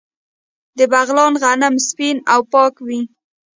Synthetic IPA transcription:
d̪əbaɣlɑnɣanamspinawpɑkwi

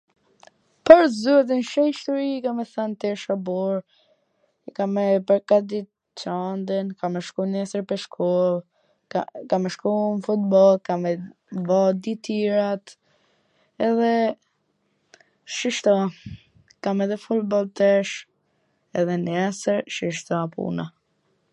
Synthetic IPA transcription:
pəɾzuɛt̪̬inʃɛjʃt̪uɾikamɛθant̪ɛɾʃabɔɾ | ɛkamɛpəɾkad̪i | t͡ʃand̪ənkamɛʃkunɛsəɾpɛʃkʰɔlˠ | kamɛʃkumfut̪bɔlˠkamɛ | bɔd̪it̪iɾat̪ | ɛðɛ | ʃiʃt̪ɔ | kamɛðɛfulbɔlt̪ɛʃ | ɛðɛnɛsəɾʃiʃt̪ɔpṵna

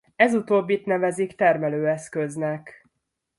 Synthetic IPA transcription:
ɛzut̪oːbːit̪nɛvɛzikt̪ɛrmɛløːɛskøznɛk

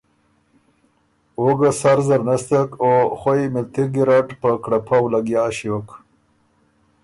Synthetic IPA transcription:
oɡasaɾzaɾnast̪akoxwojmɪlt̪iɡiɾaʈpəkɽapʰawlaɡjaːɕiwok

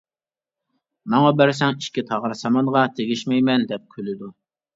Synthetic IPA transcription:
mɑŋɑbæɾsɛŋiʃkʲit̪ʰɑʁɾsɑmɑnʁɑt̪ʰeɡʲiʃmɛjmɛnd̪ɛp̚kʲʰølɪd̪u

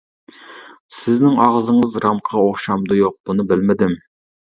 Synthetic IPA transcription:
sɪznɪŋɑʁzɨŋɨzɾɑmqʰəʁɑoχʃɑmd̪ɨjoq̚bunɨbɪlmɪd̪ɪm

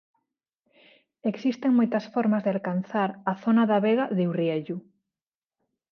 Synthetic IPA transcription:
eksist̪eŋmojt̪ɐsfɔɾmɐzðealkanθaɾɐθonɐðaβeɣaðewrieʎu

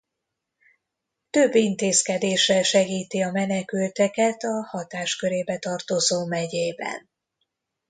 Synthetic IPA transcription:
t̪ø̞bːint̪eːskɛd̪eːʃɛʃɛɡiːt̪iɒmɛnɛkylt̪ɛkɛt̪ɒhɒt̪aːʃkøɾeːbɛt̪ɒrt̪o̞zoːmɛɟeːbɛ̰n

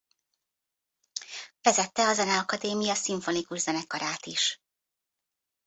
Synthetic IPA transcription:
fɛzɛt̪ːɛɒzɛnɛɒkɒd̪eːmijɒsiɱfo̞nikuʒzɛnɛkɒɾaːt̪iʃ

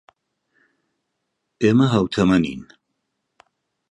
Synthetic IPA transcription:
eːmɐɦɐwt̪ʰɐmɐnḭːn

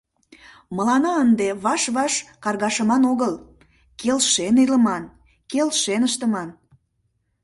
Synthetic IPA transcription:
məlɑnɑənd̪eβɑʃβɑʃkɑrɣɑʃəmɑnoɣəl | kelʃeniləmɑn | kelʃenəʃt̪əmɑn

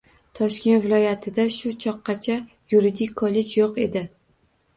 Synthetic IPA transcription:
t̪ʰɒʃkʲe̞nt̪vɪlˠɒjat̪ʰɪd̪aʃʊt͡ʃʰɒqːɑt͡ʃʰa | juɾɪd̪ɪkʲkʰːɒle̞d͡ʒjoqe̞̰d̪ɪ

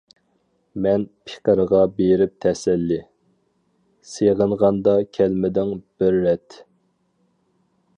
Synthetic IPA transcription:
mɛnpʰe̥qəɾəʁɑbeɾɪp̚t̪ʰɛsɛlːɪ | seʁəɴʁɑnd̪ɑkʲʰɛlmɪd̪ɪŋb̥ɪɾːɛt̪

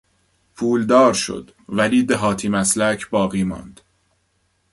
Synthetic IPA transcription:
pʰuːld̪ɒːɾʃo̰d̪̥ | væliːd̪eɦɒːt̪ʰiːmæslæcʰbɒːɣiːmɒ̰ːnd̪̥

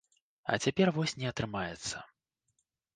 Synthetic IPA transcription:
ɐ̰t͡sʲapʲɛrvɔsʲnʲɛɐt̪ɾɨmajɛt̪sːɐ̰

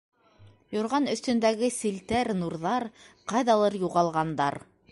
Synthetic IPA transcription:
jŏɾʁɑnɵ̆θt̪ɵ̆nd̪æɡɘsilt̪æɾnuɾðɑɾqɑjðɑlˠɤɾjuʁɑlˠʁɑnd̪ɑɾ

